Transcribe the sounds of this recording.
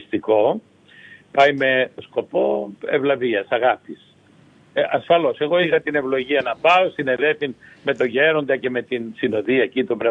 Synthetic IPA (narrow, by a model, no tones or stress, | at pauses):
st̪iko̞ | pɐjme̞sko̞po̞evlɐviɐsɐɣɐpis | ɐsfɐlo̞se̞ɣo̞ixɐt̪ine̞vlo̞ʝiɐnɐpɐosine̞ðe̞θinme̞t̪o̞ʝe̞ɾo̞nd̪ɐce̞me̞t̪insino̞ðiɐcit̪obɾe